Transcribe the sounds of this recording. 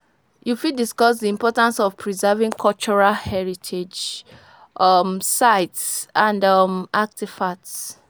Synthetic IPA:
jufiddiskɔsdiĩmpɔtãnsɔvpʰɹizɛvĩŋkʰɔlt͡ʃɔɹahɛɹitʰed͡ʒ | ʔʌmsaɪtsãndɔmʔak̚tifats

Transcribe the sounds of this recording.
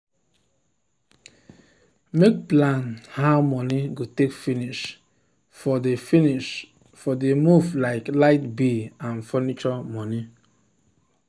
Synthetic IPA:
mek̚plãnhamɔniɡotekfiniʃ | fɔdefiniʃ | fɔdemuvlaɪklaɪtbeãnfɔnit͡ʃɔmɔni

